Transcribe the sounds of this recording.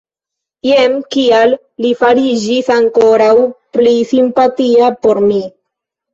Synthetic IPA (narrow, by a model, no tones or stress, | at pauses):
jemkialː | ifaɾid͡ʒisaŋko̞ɾawplisimpatiapo̞ɾmi